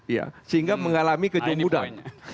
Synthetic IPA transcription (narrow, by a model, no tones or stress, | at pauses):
ja̰səɦiŋɡaməŋalamikəd͡ʒumuda̰